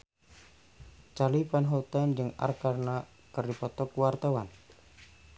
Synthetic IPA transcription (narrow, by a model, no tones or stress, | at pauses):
t͡ʃalipanɦɔt̪and͡ʒɨŋa̰rkarna | kərdipɔt̪ɔkwart̪awan